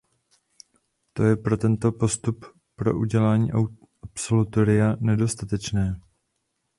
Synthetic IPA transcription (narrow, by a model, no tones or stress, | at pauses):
t̪o̞jɛpɾo̞t̪ɛnt̪o̞po̞st̪up | pɾo̞̰ʔuɟɛlaːɲḭːʔ | ʔapso̞lut̪o̞ɾɪjanɛdo̞st̪at̪ɛt͡ʃnɛː